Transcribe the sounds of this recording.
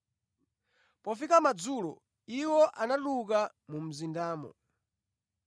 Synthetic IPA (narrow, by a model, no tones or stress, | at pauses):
pɔfikamad͡zuːlɔ̰ | iwɔʔanaɗuk̬amum̩zindaːmɔ̰